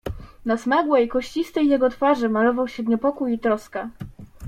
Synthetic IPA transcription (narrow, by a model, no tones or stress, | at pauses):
nasmaɡwɛjkɔɕt͡ɕist̪ɛjːɛɡɔt̪faʐɘmalɔvawɕɛvɲɛpɔkujit̪ɾɔska